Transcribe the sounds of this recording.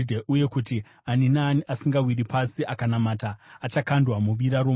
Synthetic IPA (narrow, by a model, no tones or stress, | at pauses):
dʱeʔuje̞kuti | aninaːniʔasiŋɡawiɾipasiʔakanamataːt͡ʃakandwamuʋiɾaɾo